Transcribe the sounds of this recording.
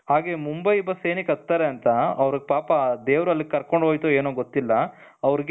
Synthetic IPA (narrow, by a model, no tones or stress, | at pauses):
haːɡemumbɐjibɐseːnikɐt̪ːaːɾeɐnt̪ɐɐʋɾiɡepaːpɐd̪eːʋɾuɐlːikɐɾkoɳɖɦojt̪ueːnuːɡot̪ːilːɐ | ɐʋɾiɡ